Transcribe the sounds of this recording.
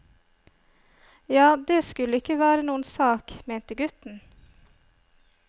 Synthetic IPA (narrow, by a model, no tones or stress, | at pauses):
jɑːd̪eːskʉləɪkəʋæːɾənuːənsɑːkmeːnt̪əɡʉt̪n̩